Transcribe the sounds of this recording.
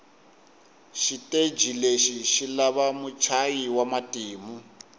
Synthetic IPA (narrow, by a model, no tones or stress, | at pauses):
ʃitʼed͡ʒʱileʃiʃilaβamut͡ʃʰajiwamatʼiːmu